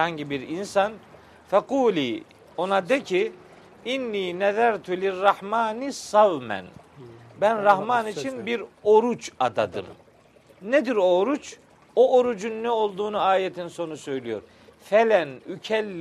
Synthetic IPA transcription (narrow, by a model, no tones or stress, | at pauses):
haɲɟibiɾinsan | fɛquːliː | o̞nad̪ecʰi | inːiːnɛðæɾt̪ʰulirːɑhmaːnisavmæ̰n | bænɾahmaːnit͡ʃʰinbiɾoɾut͡ʃad̪ad̪ɯ̰m | ned̪iɾoːɾut͡ʃ | oʔoɾud͡ʒunːɛo̞lˠd̪uːnuaːjet̪ʰinso̞nusø̞jlijo̞̰ɾ | fɛlʲænycʰɛlʲː